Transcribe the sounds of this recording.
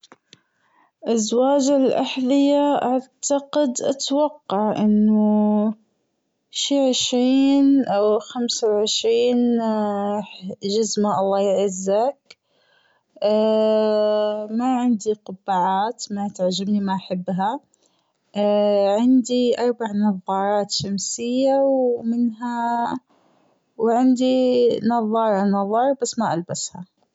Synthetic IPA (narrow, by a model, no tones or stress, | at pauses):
ʔazwaːd͡ʒalʔaħðˤɨjaʔaʕt̪ɑqɪd̪ʔa̰t̪wɑqːɑʕʔɪnːʊ | ʃiːʕɪʃɾiːnʔawxamsawʕɪʃɾiːn | d͡ʒazmaʔɑlˤːɑːjɪʕɪzːak | maʕɪnd̪iqʊbːaʕaːt̪mat̪aʕd͡ʒabnimaʔaħabːɦa | ʕɪnd̪iʔɑɾˤbaʕnɑðˤːɑːɾˤɑːt̪ʃamsɪjːawmɪnɦa | wʕɪnd̪inɑðˤːɑːɾˤɑnɑðˤːɑːɾˤbasːmaʔalbasha